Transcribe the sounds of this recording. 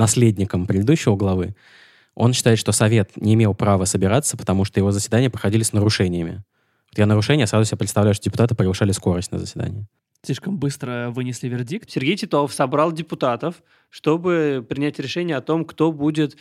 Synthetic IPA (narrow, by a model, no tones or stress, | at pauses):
nɐsʲlʲedʲnʲɪkəmpɾʲɪd̪ɪd̪uɕːɪvəɡlˠɐvɨ | o̞̰nɕɪt̪aɪt̪ʂt̪o̞sɐvʲe̞t̪nʲɪɪmʲe̞lˠpɾavəsəbʲɪɾat̪sːə̥pə̥t̪ɐmuʂt̪ojɪvo̞zəsʲvʲɪd̪anʲɪjəpɾəxɐdʲilʲɪsnəɾʊʂɛnʲɪjəmʲɪ̰ | vot̪jonəɾʊʂɛnʲɪjəsɾazʊsʲɪbʲapɾʲt̪st̪ɐvlʲæjʊʂt̪odʲɪpʊ̥t̪at̪ɨpɾʲɪɡlˠɨʂalʲɪsko̞ɾəsʲtʲnə̰zəsʲvʲɪd̪a̰nʲɪ̰jɪ | slʲiʂkəmbɨst̪ɾəvɨnʲɪsʲlʲivʲɪrdʲik̚t̪sʲɪrɡʲejtʲɪt̪ofsɐbɾalˠdʲɪpʊt̪at̪əf | ʂt̪o̞bɨpɾʲɪnʲætʲɾʲɪʂɛnʲɪjəɐt̪o̞mkt̪o̞budʲɪt̪